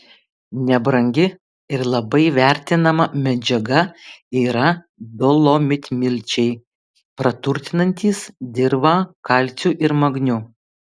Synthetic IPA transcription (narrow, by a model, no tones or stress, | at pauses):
nʲɛbɾɐŋʲɡʲɪ | ɪɾlˠɐbɐɪʋʲɛɾʲt̪ʲɪnɐmɐmʲɛd͡ʒʲɛɡɐiːɾɐ | d̪ɔlˠoːmʲɪt̪ʲmʲɪlʲt͡ʃʲɛɪ | pɾɐt̪ʊɾʲt̪ʲɪnɐnʲt̪ʲiːsd̪ʲɪɾbɐkɐlʲt̪sʲuʔɪɾmɐɡnʲʊ